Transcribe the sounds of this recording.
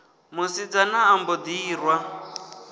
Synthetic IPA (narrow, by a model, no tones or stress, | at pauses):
musid͡zanaːmbɔd̪iːrwa